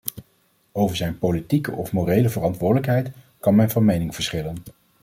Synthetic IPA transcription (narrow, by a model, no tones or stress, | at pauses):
owvəɹzɛjnpolitikə̰ʔɔfmorejləvərɑntʋʊːdələkɦɛjt | kɑnmɛnvɑnmejnɪŋv̥əɹsχɪlən